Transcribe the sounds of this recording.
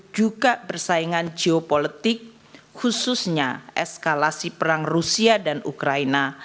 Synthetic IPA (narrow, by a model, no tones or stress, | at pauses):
d͡ʒuɡabərsaiŋand͡ʒeopolət̪ɪk̚ | hususɲaʔɛ̰skalasipəɾaŋrusiadanṵkɾaina